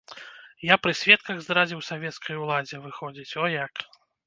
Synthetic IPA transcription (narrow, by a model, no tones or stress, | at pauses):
japɾɨsʲvʲɛt̪̚kɐɣzd̪ɾad͡zʲiwsavʲɛt̪skʰɐjulˠad͡zʲɛvɨxɔd͡zʲit͡sʲɔjak